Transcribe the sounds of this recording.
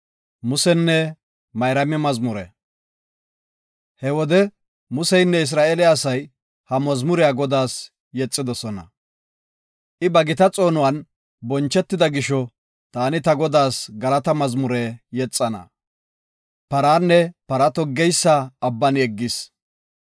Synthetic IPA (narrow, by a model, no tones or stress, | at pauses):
mʊsɛnːɛ | mɐjɾɐmɪmɐzmʊɾɛ̰ | hɛwɔd̪ɛ | mʊsɛjnːɛɪs̬ɾaːʔɛlɪːsɐj | hɐmɐzmʊɾɪjaːɡɔd̪aːs | jɛt͡sʼːɪd̪ɔsɔnɐ̰ | ʔɪbɐɡɪt̪ɐt͡sʼo̞ːnʊwɐn | bɔnt͡ʃːɛt̪ːɪd̪ɐɡɪʃɔ | t̪aːnɪt̪ɐɡɔd̪aːsɡɐlɐt̪ɐmɐzmʊɾɛjɛt͡sʼːɐnɐ̰ | pɐɾaːnːɛpɐɾɐt̪ɔɡːɛjsːɐɐbːɐnɛɡːɪs